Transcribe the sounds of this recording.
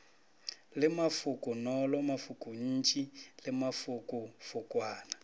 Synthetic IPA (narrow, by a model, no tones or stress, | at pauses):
lɪmafʊkʼʊnɔlɔmafʊkʼʊɲ̩ːt͡ʃʼilɪmafukʼʊfʊkʼwaːna